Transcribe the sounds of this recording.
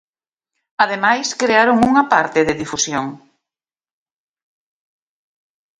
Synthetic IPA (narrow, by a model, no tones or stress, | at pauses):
aðemajskɾeaɾoŋuŋapaɾt̪ɪðɪðifusjoŋ